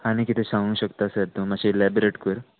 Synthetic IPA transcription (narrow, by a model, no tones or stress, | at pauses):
añikit̪ʰesãŋũːɕəkt̪asəɾt̪omad͡ʑeilɛbɾeʈkəɾ